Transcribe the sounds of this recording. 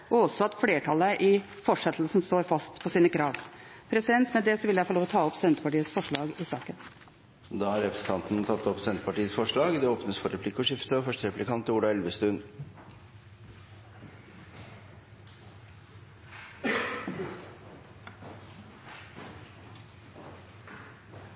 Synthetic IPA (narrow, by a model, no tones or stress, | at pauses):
ɔɔsɔɑt̪fleːʈʰɑləʔɪfɔʂɛt̪ʰl̩sn̩st̪oːɾfɑst̪pʰɔsiːnəkʰɾɑːʋpʰɾɛsɪd̪ɛnt̪mɛd̪ɛsɔʋɪljæfɔloːʋɔt̪ʰɑːɔpsɛnt̪əpɑʈiːəsfɔʂɭɑːɡɪsɑːkən | d̪ɑːhɑɾɛpɾst̪ʰɑnt̪nt̪ʰɑt̪ːɔpsɛnt̪əpɑʈiːəsfɔʂɭɑːɡd̪ɛoːpnəsfɔɾɛpʰlɪkːɔʂɪft̪əɔfœʂʈəɾɛplɪkʰɑnt̪əuːɽɑɛlʋəst̪ʉn